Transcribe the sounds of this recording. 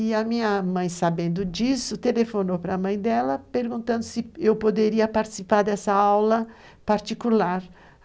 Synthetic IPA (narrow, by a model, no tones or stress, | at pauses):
ɪɐmĩɲɐmɐ̃j̃sabẽnd̪ʊd͡ʒisʊt̪elefonowpɾɐmɐ̃j̃d̪ɛlɐpeɾɡũnt̪ɐ̃nd̪ʊsɪewpod̪eɾiɐpaɾt͡ʃi̥sipaɾd̪ɛsɐawlɐ | paɾt͡ʃikulaɾ